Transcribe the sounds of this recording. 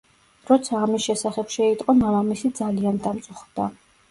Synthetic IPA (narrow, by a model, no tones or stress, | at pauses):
ɾɔt̪sʰaːmisʃɛsaχɛpʃɛit̪ʼqʼɔmamamisid̪zaliand̪amt̪sʼuχd̪a̰